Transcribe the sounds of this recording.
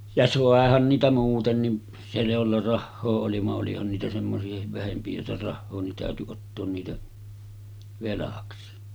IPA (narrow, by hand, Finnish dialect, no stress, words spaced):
jɑ sɑˑehɑn niːtæ muːtenːi se jolːɑ rɑhːoː oli ʋɑʔ ʔolihɑn niːtæ semːosiɑhiʋ ʋæhempi jolːɑ rɑhːoː nin tæˑøty otːoːn niːtæ ʋelɑksi